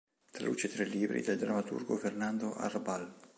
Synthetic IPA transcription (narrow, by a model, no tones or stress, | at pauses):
t̪ala̰ṵːt͡ʃet̪ɾelːiːbɾḭd̪eld̪ɾamːat̪ṵrɡofernand̪oʔa̰rbal